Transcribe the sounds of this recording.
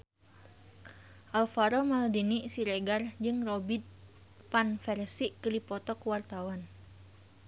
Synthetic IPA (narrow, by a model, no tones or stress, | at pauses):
ʔalfaɾɔmaldiniʔsiɾɛɡard͡ʒɨŋrobit̪̚ | panfɛrsiʔkəlipɔt̪ɔkəwart̪awan